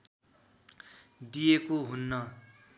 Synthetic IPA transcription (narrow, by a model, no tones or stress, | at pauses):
d̪ijekoɦunːʌ